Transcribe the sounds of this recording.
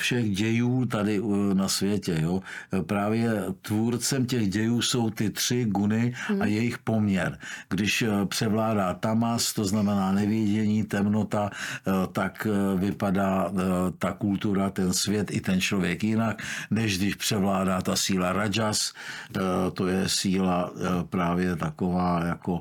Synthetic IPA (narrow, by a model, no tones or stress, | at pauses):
fʃɛɣɟɛjuːt̪̬adɪnasvjɛcɛjopɾaːvjɛt̪vuːɾt͡sɛmcɛɣɟɛjuːso̞wt̪ɪt̪r̥ɪɡunɪajɛjɪxpo̞mɲɛɾɡdɪʃpr̝̥ɛvlaːdaːt̪amast̪o̞znamɛnaːnɛvɪjɛɟɛɲiːt̪ɛmno̞t̪at̪akvɪpadaːt̪akult̪uɾat̪ɛnsvjɛt̪ɪt̪ɛnt͡ʃlo̞vjɛkjɪnaknɛʒɡdɪʃpr̝̥ɛvlaːdaːt̪asiːlaɾad͡ʒas | t̪o̞jɛsiːlapɾaːvjɛt̪ako̞vaːjako̞